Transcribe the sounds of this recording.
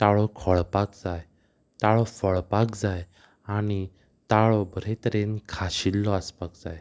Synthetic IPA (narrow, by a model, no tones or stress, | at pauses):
t̪aɭɔkʰɔɭpakd͡zaj | t̪aɭɔfəɭpakd͡zaj | aɽ̃i | t̪aɭɔbɾet̪ɾenkʰaɕilːɔəspakd͡zaj